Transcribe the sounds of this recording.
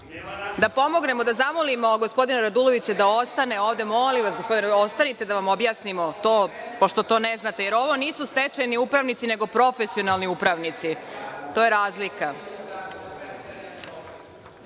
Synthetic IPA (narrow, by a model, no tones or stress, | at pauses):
d̪apo̞mo̞ɡne̞mod̪azamolimo̞ɡospo̞d̪inaɾad̪ulˠo̞ʋit͡ɕed̪aost̪aneoːvd̪e̞mo̞limʋasɡospo̞d̪inost̪anit̪e̞d̪aʋamo̞bjaːsnimo̞t̪o̞ːpoʃt̪o̞t̪o̞neznat̪e̞je̞ɾo̞ʋo̞niːsust̪et͡ʃajniupɾaʋnit̪sine̞ɡo̞pɾo̞fesio̞nalˠniupɾaʋnit̪sit̪o̞ːje̞ɾaːzlika